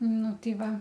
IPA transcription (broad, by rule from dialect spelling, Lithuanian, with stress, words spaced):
ˈnʊ ˈtɐɪ ˈʋɐ